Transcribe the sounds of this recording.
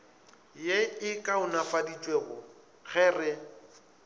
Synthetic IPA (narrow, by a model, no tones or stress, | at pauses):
jeɪkʼaʊnafadit͡ʃʼweːɣʊ | ɣɛːrɪ